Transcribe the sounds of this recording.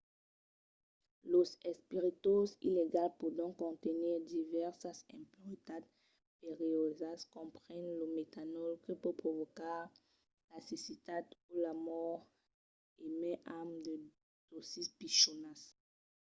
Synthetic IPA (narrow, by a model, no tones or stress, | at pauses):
losɛspiʁit̪ozḭleɡalpuʁd̪ɔ̃kːɔ̃t̪əniʁd̪ivɛʁsasɛ̰̃puʁit̪ad̪̚ | peʁeozaskɔ̃pχɛnləmet̪anɔlkəpupχovokaʁ | lasisit̪ad̪ulamɔʁ | emɛ̃ʔamd̪ə | d̪̥osispiʃonas